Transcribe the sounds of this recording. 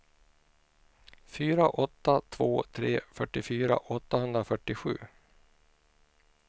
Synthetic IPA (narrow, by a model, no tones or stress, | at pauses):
fyːɾaʔɔt̪ːat̪ʰvoːt̪ʰɾḛːfœʈːɪfyːɾa̰ʔɔt̪ːahɵnd̪ɾafœʈːɪɧʉ̟̰ː